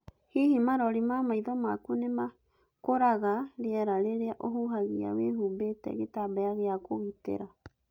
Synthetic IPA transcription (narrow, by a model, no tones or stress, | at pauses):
hihimaɾɔɾimamaiðomakunema | koɾaɣaɾeaɾaɾeɾeaʔoɦuɦaɣia̰weɦubetḛɣetabajaɣeakoɣitḛɾa